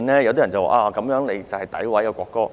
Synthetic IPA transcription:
nlɛː˥jɐ˧wt̪iː˥jɐ˨˩nt͡sɐ˨˩wa̰ː˨˧ʔaː˨˧˨kɐ˨˥mjœː˨˥ŋle˨˧jt͡sɐ˨whɐ˨jt̪ɐ˨˥jwɐ˨˥jkɛː˧kʷɔː˧kːɔː˥

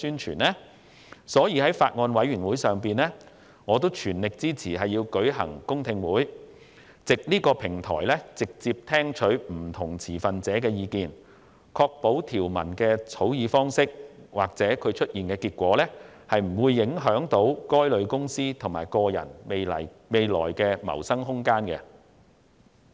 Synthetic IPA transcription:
yː˥nt͡ʃʰyː˨˩nlɛː˥ | sɔː˨˥jiː˨˧ɦɐ˨˥jfaː˧t̚ŋɔː˧nwɐ˨˥jɥyː˨˩nwuː˨˥jsœː˨ŋpiː˨nlɛː˥ | ŋɔː˨˧t̪̬o˥wt͡ʃʰyː˨˩nlɪ˨k̚t͡siː˥t͡sʰiː˨˩ɦɐ˨jːiː˧wkɵ˨˥ɥɦɐ̰˨˩ŋkʊ˥ŋt̪ʰɪ˧ŋwuː˨˥j | t͡sɪ˨k̚niː˥kɔː˧pʰɪ˨˩ŋt̪ʰɔ̰ː˨˩jlɛ˥t͡sɪ˨k̚t͡siː˧p̚t̪ʰɛː˥ŋt͡ʃʰɵ˨˥ɥm̩˨˩t̪ʰʊ˨˩ŋt͡sʰiː˨˩fɐ˨nt͡sɛː˨˥kɛː˧jiː˧kiː˨n | kʰɔː˧k̚po˨˥wt̪ʰiː˨˩wmɐ̰˨˩nkɛː˧t͡sʰo˨˥wjiː˨˧fɔː˥ŋsɪ˥k̚waː˨k̚t͡sɛː˨˥kʰɵ˨˧ɥt͡ʃʰɵ˥t̚ʔjiː˨nkɛː˧kiː˧t̚kʷɔː˨˥lɛː˥hɐ˨jm̩˨˩wuː˨˧jːɪ˨˥ŋɦœː˨˥ŋt̪o˨˥wkɔː˥jlɵ˨˧ɥkʊ˥ŋsiː˥t̪ʰʊ˨˩ŋmaː˨˩jkɔː˧jɐ̰˨˩nme˨lɐ˨˩j | me˨jlɔ̰ː˨˩jkɛː˧mɐ̰˨˩wsɐ˥ŋɦʊ˥ŋkaː˥nkɛ˧

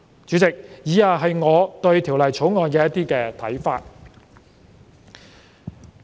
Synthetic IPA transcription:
t͡syː˨˥t͡sɪ˨k̚jiː˨˧jaː˨˧ɦɐ˨jŋɔː˨˧t̪ɵ˧ɥt̪ʰi˨˩wlɐ˨jt͡sʰo˨˥wŋɔː˨˧jkɛː˧jɐ˥t̪iː˥kɛː˧t̪ʰɐ˨˥jfa̰ː˧t̚

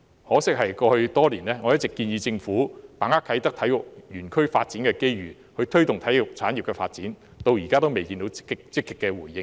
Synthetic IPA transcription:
hɔː˨˥sɪ˥k̚hɐ˨jkɔː˧hɵ˧ɥt̪ɔː˥liː˨˩nlɛː˥ŋɔ˨˧jɐ˥t̚t͡sɪ˨kːiː˧njiː˧t͡sɪ˧ŋfuː˨˥paː˨˩ŋaː˥kʰɐ˨˥jt̪ɐ˥k̚t̪ʰɐ˨˥jʊ˨k̚jyː˨˩nkʰɵ˥ɥfa̰ː˧t̚t͡siː˨˥nkɛː˧ke˥jɥyː˨˩ | hɵ˧ɥt̪ʰɵ˥ɥt̪ʊ˨ŋt̪ʰɐ˨˥jʊ˨k̚t͡sʰaː˨˥nji˨p̚kɛː˧fa̰ː˧t̚t͡siː˨˥n | t̪o˧wjiː˨˩kaː˥t̪o˥wme˨jkiː˧nt̪o˨˥wɪ˥kt͡sɪ˥kːɪ˨kːɛː˧wuː˨˩jɪ˧

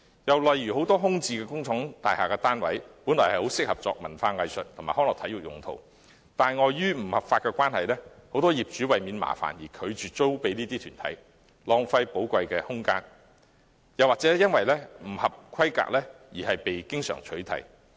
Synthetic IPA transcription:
jɐ˨wlɐ˨jɥy˨˩ho˨˥wt̪ɔː˥ɦʊ˥ŋt͡siː˧kɛː˧kʊ˥ŋt͡sʰɔ˨˥ŋt̪a̰ː˨jhaː˨kɛː˧t̪aː˥nwɐ˨˥jpu˨˥nlɔ˨˩jhɐ˨jho˨˥wsɪ˥k̚hɐ˨p̚t͡sɔ̰ː˨k̚mɐ˨˩nfaː˧ŋɐ˨˧jsɵ˨t̚t̪ʰʊ˨˩maː˨˩hɔː˥ŋlɔː˨˩t̪ʰɐ˨˥jy˨k̚jʊ̰˨˩ŋt̪ʰo̰˨˩w | t̪aː˨nŋɔː˨˧jjyː˥m̩˨˩hɐ˨p̚faː˧t̚kɛː˧kʷwaː˥nhɐ˨jlɛː˥ho˨˥wt̪ɔː˥jiː˨p̚t͡ʃyː˨˥wɐ˨jmiː˨˧nma̰ː˨˩fa̰ː˨˩njiː˨˩kʰɵ˨˧ɥt͡ʃyː˨t̚t͡so˥wpe˨˥jniː˥t̪iː˥t̪ʰyː˨˩nt̪ʰɐ̰˨˥j | lɔː˨˧ŋfɐ˧jpo˨˥wkʷɐ˧jkɛː˧hʊ˥ŋka̰ː˥n | jɐ˨˩waː˨k̚t͡sɛː˨˥jɐ˥nwɐ˨jlɛː˥m̩˨˩hɐ˨p̚kʰɐ˥jka̰ː˨k̚lɛː˥ | jiː˨˩ɦɐ˨jpe˨jkɪ˥ŋsœ̰ː˨˩ŋt͡ʃʰɵ˨˥ɥt̪ʰɐ̰˨˩j

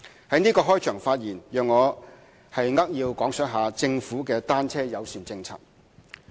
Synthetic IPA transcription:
hɐ˨˥jniː˥kɔː˧ɦɔː˥jt͡ʃʰœː˨˩ŋfaː˧t̚jiː˨˩njœː˨ŋːɔː˨˧ | hɐ˨jŋɐ˥k̚jiː˧wkɔː˨˥ŋsœː˨˥ɦaː˨˧t͡sɪ˧ŋfuː˨˥kɛː˧t̪aː˥nt͡sʰɛː˥jɐ˨˧wsyː˨˩nt͡sɪ˧ŋt͡sʰa̰ː˥t̚

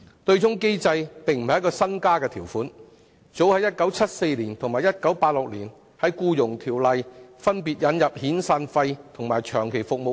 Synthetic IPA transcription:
tɵ˧ɥt͡sʊ˥ŋke˥jt͡sɐ˧jpɪ˨ŋm̩˨ɐ˨jkɔː˧sɐ˥nkaː˥kɛː˧t̪ʰiː˨˩wfuː˨˥n | t͡so˨˥whɐ˨˥jːɐ˥t̚kɐ˨˥wt͡sʰɐ˥t̚se˧jliː˨˩nt̪ʰʊ˨˩ŋmaː˨˩jɐ˥t̚kɐ˨˥wpaː˧t̚lʊ˨k̚liː˨˩n | hɐ˨˥jkuː˧jʊ˨˩ŋt̪ʰiː˨˩wlɐ˨jfɐ˥npiː˨t̚jɐ˨˧˥njɐ˨p̚hiː˨˥nsaː˧nfɐ˧jt̪ʰʊ˨ŋmaː˨˩jt͡ʃʰœː˨˩ŋkʰe˨˩jfʊ˨k̚mo˨˧

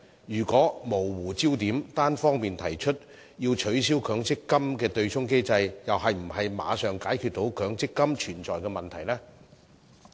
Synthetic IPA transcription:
jyː˨˩kʷɔː˨˥mo˨˩wwuː˨˩t͡siː˥wt̪iː˨˥mt̪aː˥nfɔː˥ŋmiː˨nt̪ʰɐ˨˩jt͡ʃʰɵ˥t̚ | jiː˧wt͡ʃʰɵ˨˥ɥsiː˥wkʰœː˨˧˥ŋt͡sɪ˥kːɐ˥mkɛː˧t̪ɵ˧ɥt͡sʰʊ˥ŋke˥jt͡sɐ˧jjɐ˨whɐ˨jm̩˨˩ɦɐ˨jma̰ː˨˧sœː˨ŋkaː˨˥jkʰy˧t̚t̪o˨˥wkʰœː˨˥ŋt͡sɪ˥kːɐ˥mt͡ʃʰyː˨˩nt͡ʃɔ̰ː˨jkɛː˧mɐ˨nt̪ʰɐ˨˩jlɛː˥

